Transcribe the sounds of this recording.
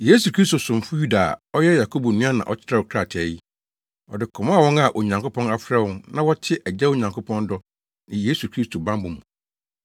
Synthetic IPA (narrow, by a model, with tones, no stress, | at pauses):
je˦su˨kʰɾi˦sto˨sʊ̃˨m˨fʊ˦ju˦da̰˨ɔ˦jɛ˦ja˨kʰo˦bu˨nũ˦a˦nã̰˨ʔɔ˦t͡ɕʰɪ˦ɾa˦˨ɔ˨kʰɾa˨tʰɪ˨ɛ˨ji˦ | ɔ̰˨dɪ˨kʰɔ˨mã˦a˦˨wɔ̃˦ŋa˦˨ʔo˨ɲã˨ŋko˦pʰɔ̃˦na˦fɾɛ˦wɔ̃˦nnã˦wɔ˦tʰɪ˦ʔɛ˨d͡ʑɛ˦wo˦ɲã˨ŋkʰo˦pʰɔ̃˦ndɔ˦ | nɪ̃˨je˦su˨kʰɾi˦stʰo˨bã˦mbʊ̃˨mũ˨